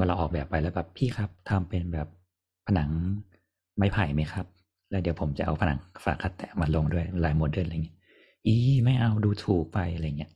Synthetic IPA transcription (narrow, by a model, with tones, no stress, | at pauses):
wa˧la˧wʔɔː˨˩bɛː˨˩pːa˧jlɛː˦˥wbɛː˨˩pʰːiː˥˩kʰa˦˥p̚t̪ʰa˧mpe˧nbɛː˨˩p̚ʰː | a˧na˩˦ŋ | ma˥˩jpʰaː˨˩jma˦˥jkʰa˦˥p̚ | lɛː˦˥˩di˧˩əpʰo˩˦mt͡ɕa˨˩ʔa̰˧wpʰa˧na̰˨˩˦ŋfaː˨˩kʰa˦˥t̪ːɛ̰ː˨˩maː˧lo˧ŋdu˥˩əjlaː˨˧˦jmo˨˩t̪̚du˥˩əa˧˨˩ŋi˦˥˦ | ʔiː˧˩ma˥˩jʔa˧wduː˧t̪ʰuː˨˩k̚pa˧jʔa˧ɾa˧jːa˨˩ŋː˦˥ɐ